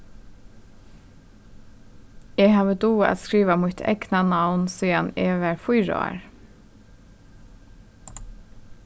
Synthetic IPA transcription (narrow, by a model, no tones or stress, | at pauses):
ɛːɡɦɑːʋəd̪uːa̰t̪skɹiːʋamʊt̪ʰɛ̰ɡnanawnsiːanɛːʋæɹfʊjɹa̰a̰ɹ